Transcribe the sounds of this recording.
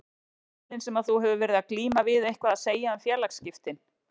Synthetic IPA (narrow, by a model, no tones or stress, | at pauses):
lɪnsɛmaðθuɦɛvʏvɛːɾɪðakliːmavɪðejhkvaðaðseːjaamfjɛːɾlakscɪft̪ɪn